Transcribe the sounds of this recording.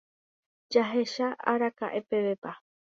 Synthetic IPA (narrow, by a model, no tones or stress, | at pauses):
d͡ʒaɦe̞ʃaa̰ɾaka̰ʔe̞pe̞ʋe̞pa